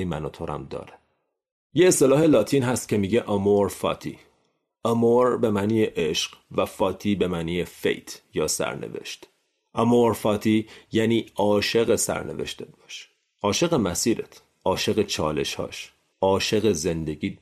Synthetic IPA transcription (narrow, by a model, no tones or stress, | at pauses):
mæ̰nɒːt̪ʰo̞ɾʔæ̰md̪ɒ̰ːɾe | jeːst̪e̞lɒːhe̞lɒːt̪ʰiːnɦæst̪̚cʰʲe̞miːɟeʔɒmoɾfɒ̰ːt̪ʰḭː | ɒmoɾbe̞mænijeʔeʃɢ̥væfɒːt̪ʰiːbe̞mænijefe̞̰jt̪ʰjɒːsæ̰ɾnḛve̞̰ʃt̪ | ʔɒmoɾfɒːt̪ʰiːjæːniːɒːʃe̞ɣe̞sæ̰ɾne̞̰ve̞̰ʃt̪ʰet̪̚bɒʃ | ʔɒːʃeɣemæsiːɾet̪ʰ | ʔɒːʃe̞ɣe̞t͡ʃʰɒːle̞̰ʃhɒ̰ːʃ | ʔɒːʃe̞ɣeze̞nd̪e̞ɟiː